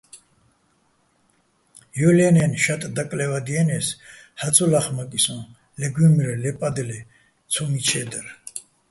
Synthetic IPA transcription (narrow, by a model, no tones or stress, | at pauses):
jɔlɛnɛnʃat̪ʼd̪akʼlɛvad̪iɛnɛs | hat͡sʰʼɔlaχmakʼisɔ̃n | lɛɡumiɾɛlɛpʼad̪ɛlɛ | t͡sʰɔmit͡ʃʰɛd̪ɛɾ